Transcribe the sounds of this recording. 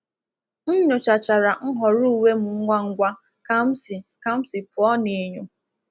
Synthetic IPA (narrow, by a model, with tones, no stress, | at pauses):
n̩˦ɲʊ˨t͡ʃa˨t͡ʃa˨ɾa˨ŋ̩˦ɦɔ˨ɾu˦u˦˨we˦mʊ˨ŋ̩˦ŋʷa˦ŋ̩˦ɡʷa˦ | ka˦m̩˦si˨ka˦m̩˦sɪ˨pʊ˨ɔ˦ne˨˦ɲo˦